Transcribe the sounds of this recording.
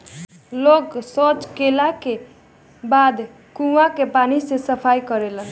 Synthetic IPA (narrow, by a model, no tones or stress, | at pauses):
loksot͡ʃkelake | bad̪ | kuwakepanisesʌpʰajkʌɾelʌn